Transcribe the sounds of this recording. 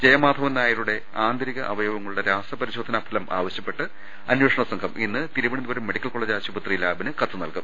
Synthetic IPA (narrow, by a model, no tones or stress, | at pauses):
d͡ʑejɐmaːd̪ʱɐʋɐnaːjɐɾuɽe̞ | aːnd̪ʱɐɾiɣɐʔɐʋɐjoːʋɐŋːɐɭuɽeɾaːsrɐpɐɾiɕo̞ːd̪ʱɐnapʰɐlɐmʔa̰ːʋɐɕjɐpːe̞ʈːɨ | ɐnweːʂɐɳɐsɐŋɡʰʱɐminːɨt̪iɾuʋɐɳinuʋɐɾumːe̞ɽikʲːɐlkoɭeːd͡ʑaːɕubɐt̪rijilaːbinɨkɐt̪ːɨnɐlkum